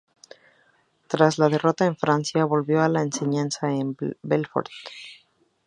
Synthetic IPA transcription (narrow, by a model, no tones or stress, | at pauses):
t̪ɾazlað̞e̞ro̞t̪aeɱfɾansjaβo̞lβjo̞alaense̞ɲãnsaembelfo̰ɾt̪